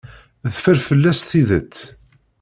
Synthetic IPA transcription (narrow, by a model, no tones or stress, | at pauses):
ðfəɾfəlːæsθiðət͡sː